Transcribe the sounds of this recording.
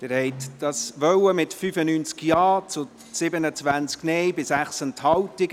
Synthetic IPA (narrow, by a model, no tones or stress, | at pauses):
d̥ɛːɾhɛɪtd̥ɑsvœwəmɪtfyːfənyːnt͡skjɑːt͡sʊ | sɪbənət͡svænt͡sknɛɪbɪsæχsənthɑwtɪɡ